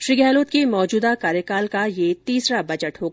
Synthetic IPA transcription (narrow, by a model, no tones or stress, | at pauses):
ʃɾiɡɛːloːt̪kimɔːd͡ʒuːd̪akaːɾjəkaːlkajet̪iːsɾabɐd͡ʒəʈɦoːɡa